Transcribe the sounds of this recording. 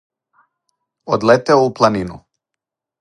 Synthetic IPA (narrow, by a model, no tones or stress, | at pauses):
o̰d̪lɛt̪ɛuplˠaninṵ